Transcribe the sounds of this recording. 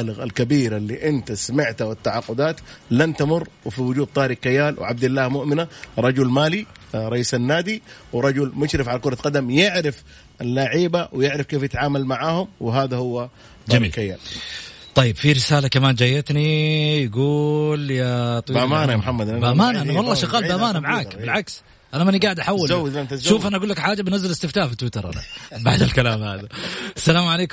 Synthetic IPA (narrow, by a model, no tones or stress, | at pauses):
lɪɣalkabiːɾalːiːʔɪnt̪asamɪʕt̪awɪt̪ːaʕɑqːʊd̪aːt̪lant̪amʊrˤːwɪfiwʊd͡ʒuːd̪̚t̪ˤɑːɾɪkːajːaːlw̰ʕab̚d̪ɪlːaːhmʊʔmɪnaɾˤɑd͡ʒʊlmaːliɾˤɑʔiːsanːaːd̪iwɪɾˤɑd͡ʒʊlmʊʃɾɪfʕalakʊɾˤɑqɑd̪amjɪʕɾɪf | alːaːʕiːbawɪjɪʕɾɪfkeːfjɪt̪ʕaːmalmaʕaːhʊmwɪɦaːðahʊwːa | d͡ʒamiːlkajːa̰ | t̪ˤɑjːɪbfiɾɪsaːlakamaːnd͡ʒajːat̪nijaɡuːljat̪ˤwiamaːnajamħamːad̪bamaːnaʔanawɑlˤːɑːʃɪɣaːlbamaːnamaʕaːkbɪlʕaks | ʔanamaniɡaːʕɪd̪ʔaħawːalzawːɪnt̪ʃuːfʔanaʔaɡulːakħaːd͡ʒːabɪnazːalɪst̪ɪft̪aːfit̪ːwɪt̪ɑɾˤʔa̰na̰baʕd̪alkalaːmha̰ːðaʔasːalaːmʕaleːkʊ